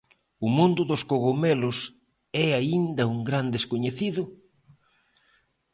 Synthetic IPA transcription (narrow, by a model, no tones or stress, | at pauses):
ʊmũnd̪ʊðoskoɣomelʊs | ɛaind̪ɐuŋɡɾand̪eskoɲeθiðʊ